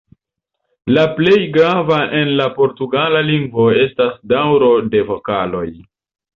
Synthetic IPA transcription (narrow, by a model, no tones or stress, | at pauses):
laple̞jɡɾavaʔe̞nlapo̞ɾtuɡalaliŋɡvo̞e̞stasdawɾo̞de̞vo̞kalo̞j